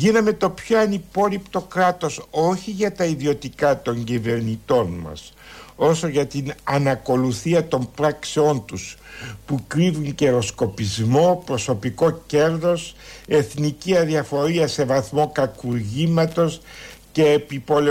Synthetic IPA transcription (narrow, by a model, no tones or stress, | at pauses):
ʝinɐme̞t̪o̞pço̞ɐnipo̞ɾipt̪o̞kɾɐt̪o̞so̞çiʝɐt̪ɐiðio̞t̪ikɐt̪o̞ɲɟive̞ɾnit̪o̞nmɐ̰s | o̞so̞ʝɐt̪inɐnɐko̞luθiɐt̪o̞mpɾɐkseo̞nt̪uspukɾivuŋce̞ɾo̞sko̞pizmo̞pɾo̞so̞piko̞ce̞ɾðo̞se̞θniciɐðiɐfo̞ɾiɐse̞vɐθmo̞kɐkuɾʝimɐt̪o̞sce̞ːpipole